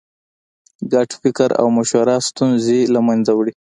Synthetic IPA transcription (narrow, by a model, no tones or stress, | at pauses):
ɡaʈfɪkaɾa̰wmaʃwaɾɑst̪unzelamanzawɽi